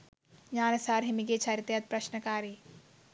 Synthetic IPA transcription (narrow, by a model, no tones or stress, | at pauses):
jaːnɐsaːɾɦɪmiɡet͡ʃʰɐɾit̪jɐt̪̚pɾɐʃnɐkaːɾi